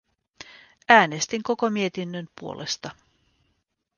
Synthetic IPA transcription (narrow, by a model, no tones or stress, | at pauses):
æːne̞st̪iŋko̞ko̞mie̞t̪inːønpuo̞̰lʔe̞st̪ɑ